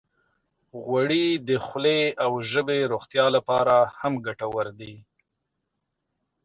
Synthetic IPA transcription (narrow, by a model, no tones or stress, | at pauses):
ɣwaɽid̪əxleawʒəbeɾoxt̪jɑlapɑɾahamɡaʈawəɾd̪i